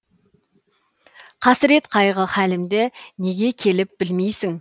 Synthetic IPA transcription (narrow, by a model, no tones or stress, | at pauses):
qʰɑsɾe̞t̪qʰɑjʁəχælɪmd̪ene̞ɡʲe̞kʲʰe̞lɪp̚b̥ɪlmejsɪŋ